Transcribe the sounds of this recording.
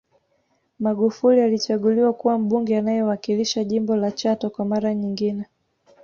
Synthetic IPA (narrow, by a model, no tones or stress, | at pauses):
maɠufulialit͡ʃaɠuliwakuwam̩ɓuŋɡɛanajɔwakiliʃaʄimbɔlat͡ʃatɔkwamaɾaɲiŋɡinɛ